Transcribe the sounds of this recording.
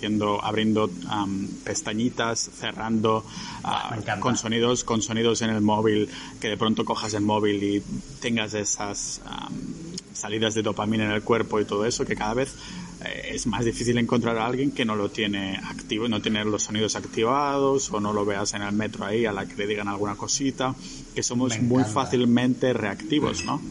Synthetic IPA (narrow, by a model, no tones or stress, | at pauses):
θjend̪o̞a̰βɾjend̪o̞ampe̞st̪aɲit̪asθe̞rand̪o̞a̰konso̞niðosko̞nso̞niðo̞se̞ne̞lmoβilke̞ðe̞pɾo̞nt̪o̞ko̞xaselmoβ̞ilit̪eŋɡazesasa̰mː | aliðazðeðo̞pamĩnene̞lkwe̞ɾpo̞it̪oðoeso̞kekaðaβ̞eθ | ḛezmazðifiθile̞ŋkont̪ɾaɾaalɣjeŋkeno̞lot̪jene̞akt̪iβnot̪jenelosːo̞nið̞osakt̪iβ̞að̞o̞sono̞lo̞β̞e̞ase̞ne̞lmet̪ɾoaialakele̞ðiɣ̞analɣ̞unako̞sit̪a | ke̞so̞mozmujfaθilmẽnt̪e̞re̞akt̪iβo̰zno̰